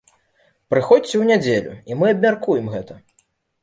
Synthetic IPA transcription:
pɾɨxɔt͡sʲt͡sʲɛwnʲad͡zʲelʲʊ̰imɨɐb̚ʲmʲarkujɛmɣɛt̪ɐ

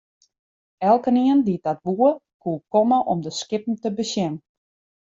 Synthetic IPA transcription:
ɛlˠkəniənditdɔtʋuəkukoməʔɔmdəskɪpn̩təbəsjɛm

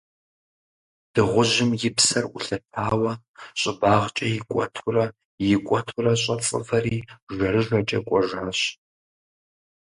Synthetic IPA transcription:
d̥ɨʁʷʊʒɪmjɪpsɐrʔʊ̰ɬɐtʰaːwɐ | ɕʼɪbaːʁt͡ʃʼɐjɪkʷʼɔ̰tʰʊrɐ | jɪkʷʼɔtʰʊrɐɕʼɐt͡sʼɨ̰vɐriːʒʷɐrɨʒʷɐt͡ʃʼɐkʷʼɔʒaːɕ

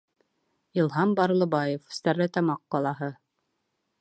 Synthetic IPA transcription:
ilˠɦɑmbɑɾlˠɤ̆bɑjefɵ̥̆st̪æɾlɘt̪ɑmɑqːɑlˠɑɦɤ

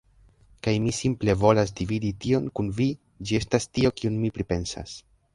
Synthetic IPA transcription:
kajmisimple̞vo̞lasdividitio̞nkunvi | d͡ʒie̞stastio̞kiunmipɾipe̞nsa̰s

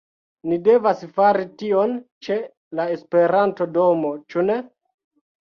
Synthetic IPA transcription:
nide̞vasfaɾitio̞nt͡ʃe̞ | laespe̞ɾanto̞do̞mot͡ʃune

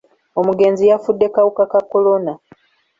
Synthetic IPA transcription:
o̞muɡe̞ːnzijafudːe̞kawukakako̞lo̞na

